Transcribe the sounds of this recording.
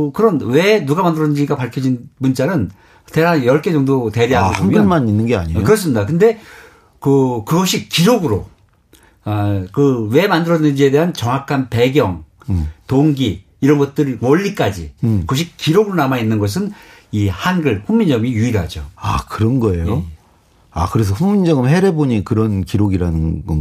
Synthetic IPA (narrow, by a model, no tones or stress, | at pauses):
kɯɾʌnwe̞nuɡamandɯɾʌnɯnd͡ʑiɡapaɭkʰjʌd͡ʑinmunt͡ɕ͈anɯn | teajʌɭk͈ʰe̞d͡ʑʌŋdote̞ɾeɦaʌanmjɡɯomaninːɯnɡea̰ɲikɯɾʌs̬͈ɯmɲidakɯnde̞ | kɯkɯɡʌɕʰik͈iɾoɡɯɾo | akɯwe̞mandɯɾʌnɯnd͡ʑie̞de̞ɦant͡ɕʌŋakʰanpe̞ɡjʌŋtoŋɡiː | ɾʌnɡʌt̚t͈ɯɾiwʌʎːik͈ad͡ʑikɯɡʌɕ̬ʰikk͈ːiɾoɡɯɾonamainːɯnɡʌs̬ʰɯnihanɡɯɭɸuŋmːind͡ʑʌmijuiɾɦad͡ʑoakɯɾʌnɡʌe̞jo | a̰kɯɾe̞s̬ʰʌɸuŋmind͡ʑʌŋɯmɦe̞ɾeboɲikɯɾʌnkiɾoɡiɾanɯnɡʌ